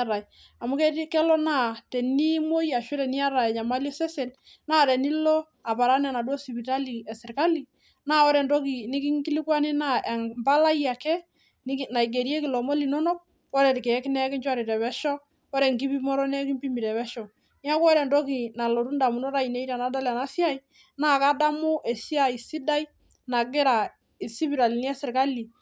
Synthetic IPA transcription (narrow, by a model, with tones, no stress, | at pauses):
ɾa˨j | a˨mu˦kɛ˦kɛ˦lɔ˦na˦˨tɛ˨ni˦mo˦ja˨ʃɛ˦ɾɛ˨ni˦a˦ɾa˨ɛ˨ɲa˨ma˦ljɔ˦sɛ˦se˨n | na˦˨ɾɛ˨ni˦lɔ˦ | a˨pa˨ɾa˦nɛ˨na˨dwɔ˦si˨pi˨ta˦li˨ɛ˨sɪ˨ɾka˦li˨ | na˦˨ɔ˦ɾɛ˨ndɔ˦ki˨ni˦ki˦ŋki˦li˦kwa˦ni˦na˦e˨mba˦la˦ja˨kɛ˦ | n˦na˨i˨ɡe˨ɾi˦e˦ki˨lɔ˨mo˦li˨nɔ˦nɔ˦k̚ | wɔ˦ɾɛ˨tkɛ˨˦knɛ˦kɪ˦ɲt͡ʃwa˦ɾi˨ɾɛ˨βɛ˦ʃɔ˦ | ɔ˦ɾɛ˨ŋki˦pi˦mɔ˦ɾɔ˦nɛ˦ki˦mpi˦mi˨ɾɛ˨bɛ˦ʃɔ˨ | ni˦a˦kɔ˦ɾɛ˨ndɔ˦ki˨na˨lɔ˨ɾu˦nda˨mu˨nɔ˦ɾa˦˨i˨ne˦i˦ɾa˨na˨˦da˦la˨na˦si˦a˦i˨˦ | naː˦˨ka˦da˦mu˦ʔɛ˨si˦a˨i˨si˦da˦i˦ | na˨ɡɪ˦ɾa˨ | i˨si˦pi˨ɾa˨li˨ni˦ɛ˦sɪ˨ɾka˦li˨